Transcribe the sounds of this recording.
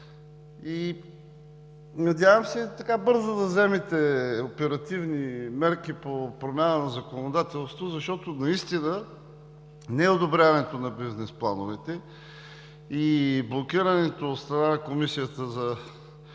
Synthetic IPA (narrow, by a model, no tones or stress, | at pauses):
i | nɐd̪ʲjavəmsɛt̪ɐkabɤɾzəd̪ɐzɛmɛt̪ɛopɛɾɐt̪ivnimɛɾkipopɾomʲjanənɐzɐkonod̪at̪ɛlˠst̪vozɐʃt̪ɔt̪onɐist̪inə | nɛod̪obɾʲjavɐnɛt̪onɐbiznɛsplˠa̰novɛt̪ɛ | iblˠokiɾənɛt̪oːt̪st̪ɾɐnanɐkomisijət̪əzɐ